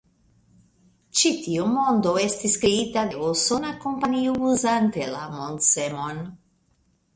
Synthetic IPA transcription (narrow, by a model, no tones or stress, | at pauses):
t͡ʃit̪iomond̪oest̪iskɾiit̪ad̪eosonakompaniuuzant̪elamont̪semon